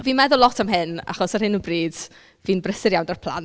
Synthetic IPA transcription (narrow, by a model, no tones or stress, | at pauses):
viːnmɛðʊlˠɔtʰamɦɪna̰χɔsərhɪnubriːd̥ | viːnbrəsɪɾjawndɔrpʰl̥ˠa̰nt